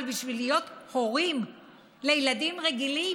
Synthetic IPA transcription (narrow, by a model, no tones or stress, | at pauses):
lbiʃvilijo̞t̪hoʁim | lejladimʁeɡili